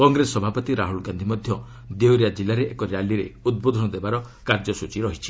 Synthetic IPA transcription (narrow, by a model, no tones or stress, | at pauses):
kɔŋɡɾesɔbʱapɔt̪iɾaɦulɡand̪ʱimɔd̪ʱjɔ | d̪eoɾijad͡ʒilaɾeʔekɔɾjaliɾeud̪̚bod̪ʱɔnɔd̪ebaɾɔ | kaɾd͡ʒɔsut͡ʃiɾɔɦit͡ʃʰi̥